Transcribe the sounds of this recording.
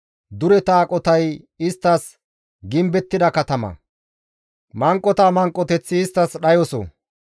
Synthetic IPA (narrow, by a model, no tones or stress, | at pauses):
d̪ʊɾɛt̪aːkʼɔt̪ɐj | ɪst̪ːɐs | ɡɪmbɛt̪ːɪd̪ɐkɐt̪ɐmɐ̰ | mɐŋkʼːɔt̪amɐŋkʼːɔt̪ɛt͡sːɪːst̪ːɐsɗɐjɔsɔ̰